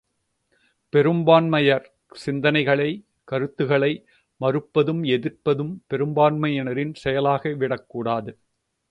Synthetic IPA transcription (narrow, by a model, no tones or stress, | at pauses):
pɛɾɯmbaːnmɐjɐɾ | sɪnd̪ɐnɐɪɣɐɭɐɪ | kɐɾɯt̪ːɯɣɐɭɐɪ | mɐɾɯpːɐðɯmɛðɪrpɐðɯmpɛɾɯmbaːnmɐjɛnɐɾɪnsɛjɐlaːɣɐʋɪɽɐkːuːɽaːðɯ